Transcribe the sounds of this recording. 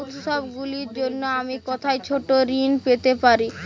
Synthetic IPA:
ut̪ʃɔbɡuliɾd͡ʑonːoamikɔt̪ʰajt͡ɕʰoʈoɾinpet̪epaɾi

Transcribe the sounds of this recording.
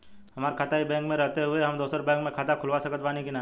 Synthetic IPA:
ɦɐmaːɾkʰaːt̪aɦibɛ̃ːŋkmẽɾɐɦt̪eɦʊeɦɐmd̪oːsəɾbɛ̃ːŋkmẽkʰaːt̪akʰʊlʋasɐkət̪baːnikinaː

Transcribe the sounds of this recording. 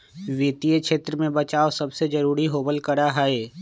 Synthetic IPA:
ʋɪːt̪iekʃeːt̪ɾəmẽbət͡ʃaːosɐbsed͡ʒɐɾuːɾiɦoːbəlkəɾaɦaːeː

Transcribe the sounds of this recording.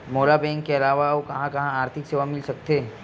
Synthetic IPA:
moːlabɛ̃ːŋkːeɐlaːʋaokɐɦãkɐɦãaːɾt̪ʰɪkseːʋamɪlsɐk̚t̪eː

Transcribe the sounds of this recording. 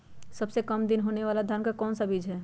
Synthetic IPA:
səbsekəmd̪inɦoneʋaːlad̪ʱankakɔːnsabid͡ʒɦɛː

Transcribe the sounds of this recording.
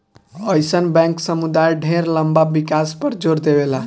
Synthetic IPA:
əjsənbɛ̃ŋksəmud̪ajɖʱeɾləmbabikaspəɾd͡ʒoɾd̪ebela

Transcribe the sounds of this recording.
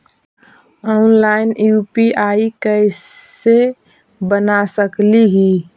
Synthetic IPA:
ɔnlaɪnjupiʔaikəɪ | e | bənasəkliɦi

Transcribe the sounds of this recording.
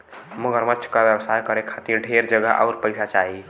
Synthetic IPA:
məɡəɾmətːʃʰkabjəbsajkəɾekʰat̪iɾɖʱeɾd͡ʒəɡəɦʔa̰ʊɾpəɪsat͡ʃaɦi

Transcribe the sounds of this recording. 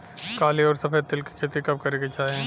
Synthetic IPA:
kaːliɔːɾsɐfʰeːt̪ɪlki̥kʰeːt̪ikɐb̚kɐɾeket͡ʃaːɦẽ

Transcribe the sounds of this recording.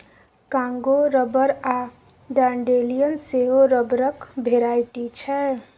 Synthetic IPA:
kãŋɡoɾəbəɾa | ɖaɳɖelijənseɦoɾəbɾəkbʱeɾajʈit͡ʃʰɛ

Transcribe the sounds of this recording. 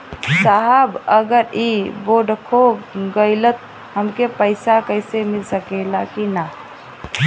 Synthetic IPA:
saɦəbəɡəɾiboɖkʰobɡəɪlət̪̚ | ɦəmkepəɪsakəɪsemilsəkɛlakina

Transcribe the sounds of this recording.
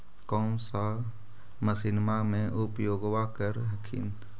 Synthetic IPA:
kɔːmsa | məsɪnmamẽʔʊpjoːɡʋakəɾɦəkʰḭn

